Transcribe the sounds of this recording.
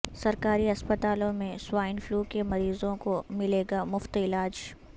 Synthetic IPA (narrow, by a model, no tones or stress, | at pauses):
sɐɾkaːɾiɐspət̪aːlõmẽswaːɪnfluːkemɐɾiːzõkomɪleːɡamʊft̪ɪlaːd͡ʒ